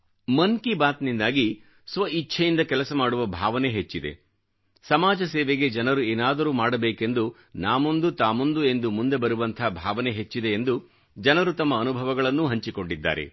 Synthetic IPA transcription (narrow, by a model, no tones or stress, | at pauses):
mɐŋkibaːt̪nind̪aːɡi | sʋɐit͡ʃːʃʰɐjind̪ɐkɛlɐsɐmaːɽuʋɐbʱaːʋɐneɦet͡ʃːid̪e̞̰ | sɐmaːd͡ʒɐseːʋeɡe̞d͡ʒɐnɐɾueːnaːd̪ɐɾuːmaːɽɐbeːke̞nd̪u | naːmo̞nd̪ut̪aːmo̞nd̪ue̞nd̪umund̪e̞bɐɾuʋɐnt̪ʰɐɦbʱaːʋɐneɦet͡ʃːid̪e̞ːnd̪u | d͡ʒɐnɐɾut̪ɐmːɐːnubʱɐʋɐɡɐɭɐnːuɦɐɲt͡ʃiko̞ɳɖid̪ːa̰ːɾḛ